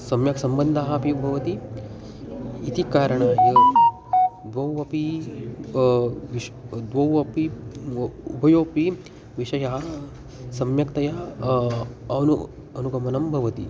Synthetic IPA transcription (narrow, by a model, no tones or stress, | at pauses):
sɐmjɐksɐmbɐnd̪ʱaɦɐpibʱɐʋɐt̪i | t̪ikaːɾəɳaːjɐ | d̪ʋɐwɐpi | ʋid̪ʋɐwɐpi | ṵbʱɐjoːpi | ʋiʃɐjɐɦɐ | sɐmjɐkt̪ɐja | ɐnu | ɐnuɡɐmɐnɐmbʱɐʋɐt̪ḭ